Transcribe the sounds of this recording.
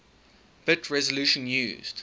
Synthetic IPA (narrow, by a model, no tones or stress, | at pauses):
b̥ɪtʰɹɛzəlʉˑʃə̃njʉ̰ːzd̥